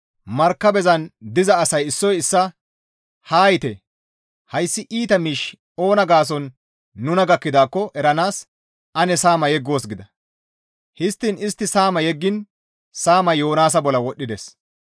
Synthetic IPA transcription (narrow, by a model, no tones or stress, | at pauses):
mɐɾkːɐbɛzɐnd̪ɪzɐːsɐjɪsːɔjɪsːɐ | haːjɪt̪e | hɐjsːɪʔiːt̪ɐmiːʃ | o̞ːnɐɡaːs̬ɔnː | ʊnɐɡɐkːɪd̪aːkːɔʔɛɾɐnaːs | ɐnɛsaːmɐjɛɡːo̞ːsɡɪd̪ɐ | hɪst̪ːɪnɪst̪ːɪsaːmɐjɛɡːɪn | saːmɐjo̞ːnaːs̬ɐbɔlɐwɔɗːɪd̪es